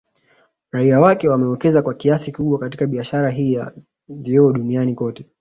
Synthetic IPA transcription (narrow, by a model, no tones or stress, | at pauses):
ɾaiawakɛwamɛwɛkɛzakwakiasikuɓwakatikaɓiaʃaɾaɦiːja̰ | viɔːɗunianikɔtɛ